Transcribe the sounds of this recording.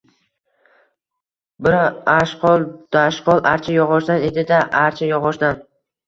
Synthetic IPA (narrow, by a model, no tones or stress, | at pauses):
bɪɾaaʃqʰɒlˠd̪̥aʃqɒlˠʔaɾt͡ʃʰajɒʁɒʃd̪ane̞d̪ɪd̪aʔaɾt͡ʃʰajɒʁɒʃd̪an